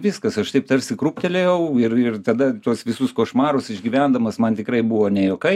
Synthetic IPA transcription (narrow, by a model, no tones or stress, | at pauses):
ʋʲɪskɐsɐʃt̪ɐɪpt̪ɐɾʲsʲɪkɾuːpʲt̪ʲɛlʲejɛʊɪrɪrt̪ɐd̪ɐt̪uɔsʋʲɪsʊskoːʃmɑːɾʊsɪʒʲɡʲiːʋʲænd̪ɐmɐsmɐnt̪ʲɪkɾɐɪbuʋoːnʲɛjoːkɐɪ